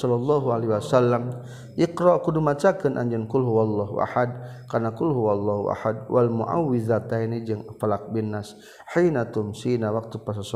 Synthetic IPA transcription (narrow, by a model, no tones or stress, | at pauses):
sɔlalːɑɦualiwasalːam | ʔɪqɾɔʔkudumat͡ʃakɪnʔaɲd͡ʒankʊlɦuwalˤːaɦṵʔa̰ħad̪̚ | karnakʊlɦuwalˤːaɦṵʔa̰ħad̪̚wʔalmuʔa̰wːɪðat̪ajnid͡ʒəŋfalak̚bɪnːas | ħinat̪ʊmsinawak̚t̪upas̬as